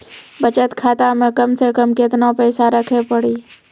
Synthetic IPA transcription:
bət͡ʃət̪kʰaːt̪amẽkəmsekəmkɪt̪napɛːsaɾəkʰepəɽiː

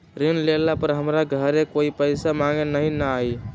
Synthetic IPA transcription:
ɾinlelapəɾɦəmɾaɡʱəɾekoipəɪsamaŋenəɦĩnəai

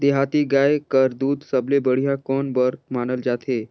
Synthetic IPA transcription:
d̪eɦat̪iɡajkəɾd̪uːd̪səblebəɽ̤ijakɔnbəɾmanəld͡ʒat̪ʰe

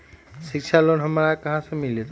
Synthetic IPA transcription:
ʃikt͡ʃʰalonɦəmɾakəɦãsemilet̪

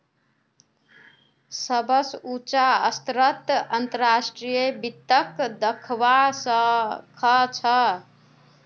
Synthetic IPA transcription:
səbəsut͡ʃaəst̪ɾət̪ənt̪əɾɾasʈɾijebit̪ːəkd̪əkʰʋasə̃kʰət͡ʃʰə

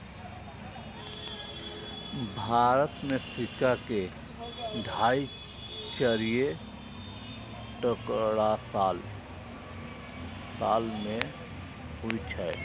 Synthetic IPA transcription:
bʱaːɾət̪mẽsɪkake | ɖʱaːi | t͡ʃəɾije | ʈəkɽasal | saːlmẽ | ɦʊit͡ʃʰɛː

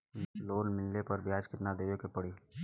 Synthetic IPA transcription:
loːnmɪlːepɐɾbʱiaːd͡ʒkɪt̪nad̪eːokepəɽiː

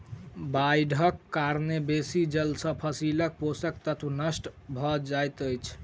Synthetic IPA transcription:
bajɖʱəkːaɾnebesid͡ʒəlsə̃pʰəsilək̚posək̚t̪ət̪ʰunəsʈbʱɔd͡ʒajt̪əjt͡ʃʰ

